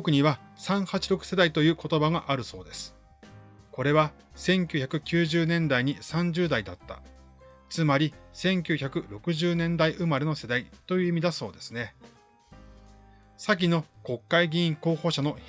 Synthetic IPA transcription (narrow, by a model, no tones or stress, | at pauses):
okɯ̟ɲ̟iβasãɰ̃hat͡ɕiɾo̞kɯ̟̥se̞d̪ait̪o̞jɯ̟ːko̞t̪o̞baɡaʔaɾɯ̟so̞̰ːd̪e̞sɨ̥ | ko̞ɾe̞βa | sẽ̞ŋkʲɨ̟ːçʲakɯ̟kʲɨːʑɨːnẽ̞nd̪aiɲ̟isãɲ̟d͡ʑɨːd̪aid̪at̪ːa̰ | t͡sɨmaɾʲisẽ̞ŋkʲɨːçakɯ̟ɾo̞kɯ̟ʑɨːnẽ̞nd̪aiʔɯ̟maɾe̞no̞se̞d̪ait̪o̞jɯ̟ːimʲid̪aso̞̰ːd̪e̞sɨne̞ | sak̬ʲino̞ko̞kːaiɡʲĩːĩŋko̞ːho̞ːɕano̞